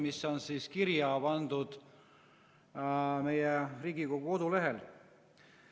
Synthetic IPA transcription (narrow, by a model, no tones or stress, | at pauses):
misːo̞nsiːskiɾjɑb̥ɑnd̪ud̪̥ | me̞jɛriːɡiko̞ɡ̥uo̞d̪ule̞ɦe̞l